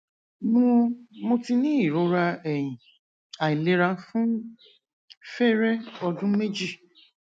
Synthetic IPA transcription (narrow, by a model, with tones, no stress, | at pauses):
mũ˦mo˧ti˧nĩ˦i˦˨ɾo˨˦ɾa˧ɛ˨j̃ĩ˨ | a˨i˨le˨˦ɾã˧˦fũ˦ | fɛ˦˨ɾɛ˦ɔ˧dũ˦me˦d͡ʒi˦˨